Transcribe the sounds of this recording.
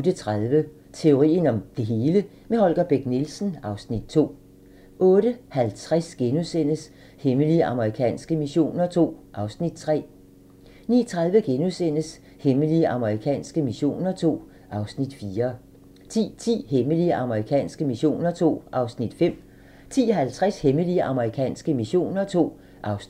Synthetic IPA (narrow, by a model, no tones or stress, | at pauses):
od̥ət͡sʰʁaðˠʋə | t͡sʰe̝o̝ʁḭːnɒ̽md̥e̝ɦe̝ːlə | mehɒ̽lɡ̥ɐb̥eɡ̥̚nilsn̩ɑ̈ʊsnid̥̚t͡sʰo̝̰ː | ʔɔ̽ːɾəhælt͡sʰʁɛsɡ̥enusen̰əs | heməliəʔɑ̈məʁikʰɛ̰ːnsɡ̥əmiɕo̝̰ːnɐt͡sʰo̝̰ːʔɑ̈ʊsnid̥t͡sʰʁɛ̰ː | nḭːt͡sʰʁaðˠʋəɡ̥enusen̰əs | heməliəʔɑ̈məʁikʰɛ̰ːnsɡ̥əmiɕo̝̰ːnɐt͡sʰo̝̰ː | ʔɑ̈ʊsnid̥fiːɐ | t͡sʰḭːt͡sʰḭːheməliəʔɑ̈məʁikʰɛ̰ːnsɡ̥əmiɕo̝̰ːnɐt͡sʰo̝̰ːʔɑ̈ʊsnid̥fem̰ | t͡sʰḭːhælt͡sʰʁasheməliəʔɑ̈məʁikʰɛ̰ːnsɡ̥əmiɕo̝̰ːnɐt͡sʰo̝̰ː | ʔɑ̈ʊs